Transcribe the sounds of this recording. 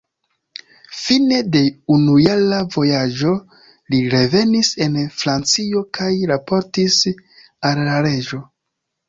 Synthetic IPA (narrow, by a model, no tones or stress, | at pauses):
fine̞de̞unujalavo̞jad͡ʒo̞ | liɾe̞ve̞nise̞nfɾant͡sio̞kʰajɾapo̞ɾtis | alːaɾe̞d͡ʒo̞